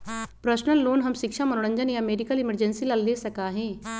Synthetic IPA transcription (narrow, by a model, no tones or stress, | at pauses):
pɾəʃnəlːoːnɦɐmʃɪkʃamənʊɽə̃ɲd͡ʒənjãːmeːɖɪkəlɪməɾd͡ʒənsilalːeːsəkaːɦẽː